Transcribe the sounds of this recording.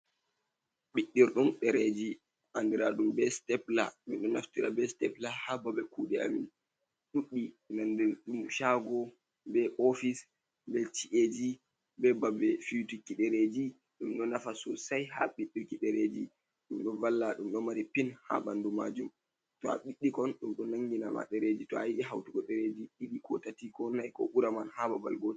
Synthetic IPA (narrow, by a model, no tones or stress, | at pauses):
ɓiɗːiɾɗumɗɛɾed͡ʒi | ʔandiɾaɗumbɛstɛpla̰minɗɔna̰ftiɾa̰bɛstɛplahababɛkuːɗɛa̰min | ɗuɗːinandiɾɗumʃaɡɔ | bɛʔofis | bɛt͡ʃiʔed͡ʒi | bɛbabɛfijutukiɗɛɾed͡ʒi | ɗumɗɔnafasɔsajha̰ɓiɗːukiɗɛɾed͡ʒi | ɗumɗɔvalːaɗumɗɔmaɾipinha̰bandumad͡ʒum | tɔa̰ɓiɗːikɔnɗumɗɔnaŋɡinama̰ɗɛɾed͡ʒitɔajiɗiɦa̰wtukɔɗɛɾed͡ʒiɗiɗikɔtatikɔnːajkɔ̰ʔuɾamanhababa̰lɡot